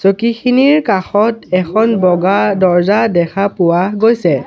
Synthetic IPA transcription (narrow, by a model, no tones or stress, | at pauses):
sokixʰiniɹkaxɔtɛxʰɔnbɔɡadɔɹzadɛkʰapʊwaɡojsɛ